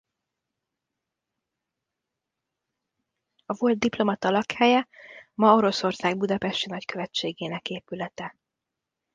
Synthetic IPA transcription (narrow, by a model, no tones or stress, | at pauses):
ɒvo̞ld̪̚d̪iplo̞mɒt̪ɒlɒkhɛjɛmɒo̞ɾo̞so̞rsaːɡbud̪ɒpɛʃt̪inɒckø̞vɛt͡ʃːeːɡeːnɛkeːpylɛt̪ɛ